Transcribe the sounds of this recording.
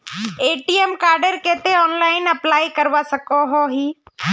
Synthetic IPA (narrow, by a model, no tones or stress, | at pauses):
eːʈiemkaːɾɖəɾkeːt̪eɔːnlaːɪnəplaːikəɾʋasɐkoɦoɦiː